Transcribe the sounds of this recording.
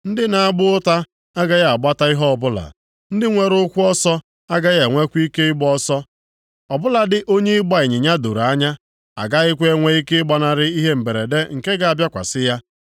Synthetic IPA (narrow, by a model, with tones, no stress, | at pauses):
n̩˦dɪ˦na˨a˦ɡ͡bʊ˦ʊ˦ta˦ | a˦ɡa˦ɣa˨a˨ɡ͡ba˦ta˦i˦ɦɔ˦ɔ˨bʊ˦la̰˨ | n̩˦dɪ˦ŋʷe˨ɾʊ˦kʷʊ˦ɔ˦sɔ˦ | a˦ɡa˦ɣa˨ŋʷe˦kʷu˦i˦ke˦ɪ˦ɡ͡bɔ˦sɔ˦ | ɔ˨bʊ˦la˨dɪ˨ʔo˦ɲe˦ɡ͡ba˦˨ɪ˨ɲɪ˨ɲa˦do˨ɾa˦ɲa˦ | a̰˨ɡa˦ɪ˦kʷe˦ŋʷe˦i˦ke˦ɡ͡ba˨na˨ɾɪ˦i˦ɦe˦m̩˨be˨ɾḛ˨de˦ŋ̩˨ke˦ɡa˨a˨bja˦kʷa̰˨sɪ˦ja˦